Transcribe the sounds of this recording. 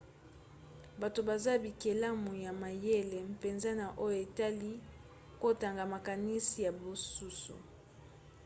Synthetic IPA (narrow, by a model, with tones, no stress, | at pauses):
ba˨to˨ba˨za˦bi˨ke˨la˦mu˨ja˨ma˨je˦le˨pe˨nza˦na˨ʔo˦jo˨e˨ta˦li˦ | ko˦ta˨ŋɡa˨ma˨ka˨ni˦si˨ja˨bo˨su˦sṵ˨